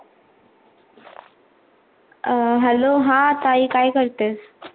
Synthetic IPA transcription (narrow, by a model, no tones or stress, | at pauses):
ɦɛloɦãt̪aiːkaːjkəɾt̪eːs